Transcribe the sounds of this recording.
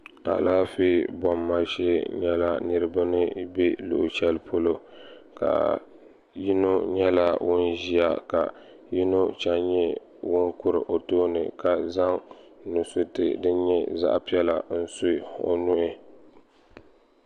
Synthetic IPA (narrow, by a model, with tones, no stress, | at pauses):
a̰˨laː˦fiː˦bɔ˨mːa˦ʃe˦ɲɛ˦la˦nɨ˦ɾɨ˦ba˦nɨ˦be˦lʊ̰˨ʔt͡ʃɛ˦lpʰo˦lo˦ | ka̰˨ | ji˦no˦ɲɛ˦la˦wʔʊ˦nʒi˦a˦ka̰˨ | ji˦no˦t͡ʃa˦ɲɛ˦ | wʊ˦ŋkʊ˦ɾɨ˨ʔo˨toː˦nɨ̰˨ka˨za˦ŋnu˨sʊ˦tɨ̰˨dɨ˦ɲɛ˦za̰˦ʔpi˦ɛ˦la˨n̩˦so˦˨o̰˨nʊ˦ʔɪ˦